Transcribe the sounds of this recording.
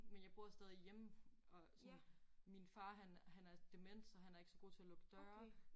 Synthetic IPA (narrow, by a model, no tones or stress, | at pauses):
menjɑ̈ɪb̥o̝ɐ̰sd̥eð̞ˠjem̰ɒ̽sɒnminfɑ̈ːɦænhænæɐd̥emen̰d̥sɒ̽ɦænæɐe̝ɡ̥əsɒ̽ɡ̥o̝ːt͡sʰe̝ælɔ̽ɡ̥əd̥ɶːɐɐ